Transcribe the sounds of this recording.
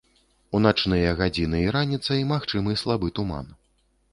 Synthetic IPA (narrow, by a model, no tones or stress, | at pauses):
unat͡ʂnɨjɐɣad͡zʲinɨiɾanʲit̪sːɐimaxt͡ʂɨmɨslˠabɨt̪uma̰n